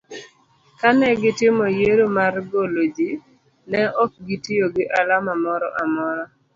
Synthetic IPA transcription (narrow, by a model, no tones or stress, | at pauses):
kanɛɡɪtɪmɔjeɾomarɡolod͡ʒi | nɛʔɔk̚ɡitioɡɪʔalamamɔɾɔ̰ʔamɔɾɔ